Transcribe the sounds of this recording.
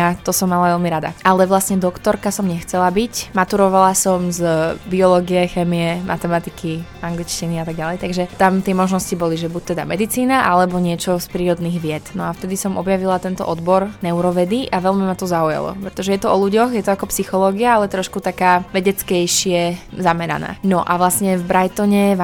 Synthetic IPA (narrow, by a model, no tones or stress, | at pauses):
at̪ɔsɔmːalaʋɛlmiɾad̪a̰alɛʋlasɲɛd̪ɔkt̪ɔɾkasɔmɲɛxt͡sɛlabicmat̪uɾɔʋalasɔmzbiɔlɔɡiɛxɛːmiɛmʔa̰t̪ɛmat̪ikʰiaŋɡlit͡ʃciniat̪aɡ̚ɟalɛjt̪aɡʒɛt̪amt̪ɪɛmɔʒnɔscibɔliʒɛbuc̚t̪ɛd̪amɛd̪it͡siːnaʔalɛbɔɲɪɛt͡ʃɔspɾiːɾɔd̪niːɣʋɪɛt̪nɔaft̪ɛd̪isɔmʔɔbjaʋilat̪ɛnt̪ɔ̰ʔɔd̪bɔɾnɛuɾɔʋɛd̪iʔaʋɛʎmimat̪ɔzauja̰lˠɔ̰pɾɛt̪ɔʒɛjɛt̪ɔɔluɟɔxjɛt̪ɔakɔpsixɔlɔːɡiaalɛt̪ɾɔʃkut̪akaːʋɛɟɛt͡skɛjʃɪɛzamɛɾa̰na̰ːnɔʔaʋlasɲɛvbɾajt̪ɔɲɛʋ